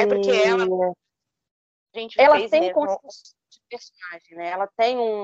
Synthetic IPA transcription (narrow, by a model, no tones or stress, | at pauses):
ɛʊɾkeɛ | ʒẽt͡ʃɪɛlɐẽj̃kõsis | d͡ʒɪpeɾsonaʒẽj̃nɛɛlɐt̪ẽj̃ũ